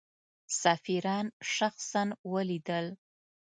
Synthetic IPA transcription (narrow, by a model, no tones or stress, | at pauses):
safiɾɑnʃaxsanwəlid̪əl